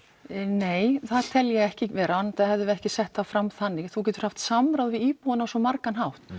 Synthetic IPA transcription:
neːjθaðt̪ʰɛljɛɣɛhcɪvɛːɾant̪aðhɛvðʏɛhcɪsɛht̪θafɾamθanːɪθuc̬ɛːt̪ʏɾ̥haft̪samɾawðvɪðiːpuwʏnasɔmaɾkanɦawht̪

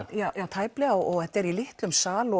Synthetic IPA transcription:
ajaːwt̪ʰaːjplɛɣaɔɔɣɛht̪ɛɾilɪht̪lʏmsaːlɔ

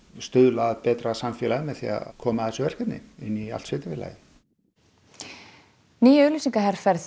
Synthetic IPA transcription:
st̪ʏðlaðpɛːt̪ɾasamfjɛːlaðmɛðθḭa̰kʰɔːmaðθɛsʏvɛr̥kɛt̪nɪ̰ɪnːia̰lt̪svɪːt̪ɪɾvɪla̰ːjɪ | niːjœlʏsĩŋkaɦɛɾ̥fɛɾθ

